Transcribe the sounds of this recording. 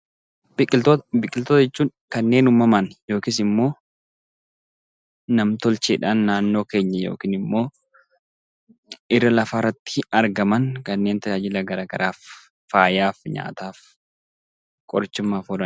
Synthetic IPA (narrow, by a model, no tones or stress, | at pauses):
bɪkʼɪt̪bɪkʼːɪlt̪ɔt̪ɐd͡ʒɛt͡ʃːuːŋ | kɐnːe̞ːnʊmɐmɐnjo̞ːkɪs̬ɪmːo̞ː | nɐmt̪ɔlt͡ʃeːᶑaːnːaːnːo̞ːke̞ːɲːɐjo̰ːkiːnɪmːo̞ː | ʔɪrːɐlɐfaːrːɐt̪ːɪ̥ɐɾɡɐmɐŋkɐnːeːnt̪ɐjaːd͡ʒɪlɐɡɐɾaːɡɐɾʔaːfː | aːjaːfɲa̰ːt̪aːf | kʼɔɾt͡ʃːɪmːaːfɔɾɐ